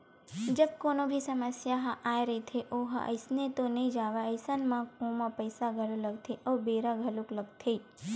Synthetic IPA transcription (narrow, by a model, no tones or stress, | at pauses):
d͡ʒəb̚koːnobʱisəməsjaɦãʔaːjɾəit̪ʰeʔoɦa̰ʔə̰jsnet̪onɐĩd͡ʒaːʋaəjsənmãkõmãpəjsaɡʱəluləɡ̚t̪ʰeʔəbeɾaɡʱɐlukləɡ̚t̪ʰei